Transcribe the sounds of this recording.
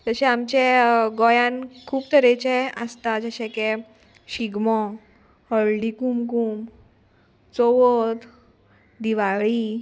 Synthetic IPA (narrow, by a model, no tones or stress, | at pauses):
t̪əɕẽamt͡ɕeɡɔjãnkʰuːpt̪əɾet͡ɕeəst̪ad͡ʑəɕɛ̃ke | ɕiɡmɔ | həɭɖikumkuːm | t͡soʋɔt̪ | d̪iʋaɭi